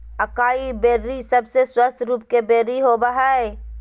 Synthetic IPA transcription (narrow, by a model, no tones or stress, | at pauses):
əkaːibeːɾːisəbseswəst̪ʰɾuːp̚kebeːɾːiɦobaɦae